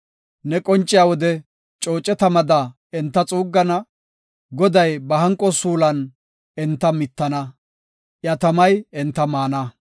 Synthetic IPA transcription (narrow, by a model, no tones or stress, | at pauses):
nɛkʼɔnt͡ʃʼːɪjaːwɔd̪ɛ | t͡ʃʼo̞ːt͡ʃʼɛt̪ɐmɐd̪ɐ | ɛnt̪ːɐt͡sʼuːɡːɐnɐ | ɡɔd̪ɐjbɐɦɐŋkʼːɔsuːlɐn | ɛnt̪ːɐmɪt̪ːɐnɐ | ʔjɐt̪ɐmɐjɛnt̪ːɐmaːnɐ